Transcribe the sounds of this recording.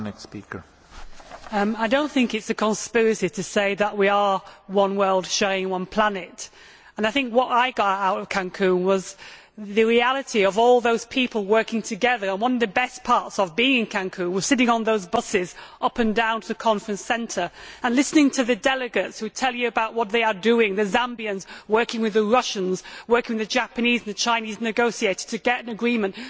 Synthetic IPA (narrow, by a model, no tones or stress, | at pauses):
nɛkspḭkə̰˞ | ʌ̃maɪdõʊ̃nθɪ̃ŋkɨtsɨkʰə̃nspɪɹɨsiɾɨseɪðəʔ̚wiə˞wʌ̃nwɜ˞lˠd̥ʃoʊɪ̃ŋwʌ̃npʰl̥anɨt | ə̃naɪθɪ̃ŋkwʌɾaɪɡɑɾaʊɾʌv̥kʰæ̃ŋkʰʉ̃nwʌz | ðɨɹialˠɨɾiʌvɔlˠðoʊz̥pʰipəl̩ˠwɜ˞kɪ̃ŋtʰɨɡɛðə˞ə̃nwʌ̃nʌvðɨbɛspʰɑɹtsəvbiɪ̃ŋɨ̃nkʰæ̃ŋkʰʉ̃nwʌz̥sɪɾɪ̃ŋə̃nðoʊzbʌsɪzʔʌpɨ̃ndãʊ̃ntʰəðɨkʰɑ̃ɱfɹɨ̃nsɛ̃ntʰə˞ə̃nlɪsnɪ̃ŋtʰɨðɨdɛlˠɨɡɨtshʉtʰɛlˠjɨɨbaʊʔ̚wʌt̪̚ðeɪə˞dʉɪ̃ŋðɨzæ̃mbiɨ̃nzwɜ˞kɪ̃ŋwɨðəɹʌʃɨ̃nzwɜ˞kɪ̃ŋwɨðɨd͡ʒæpɨnizn̩ðɨt͡ʃʰãɪ̃niznɨɡoʊsieɪɾɨd̥̚tʰɨɡɛɾɨ̃nɨɡɹĩmɨ̃nʔ